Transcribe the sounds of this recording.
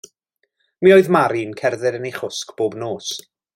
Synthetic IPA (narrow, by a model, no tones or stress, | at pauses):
miːoːɨðmaɾinkʰɛrðɪɾənejχʊskb̥oːbnoːs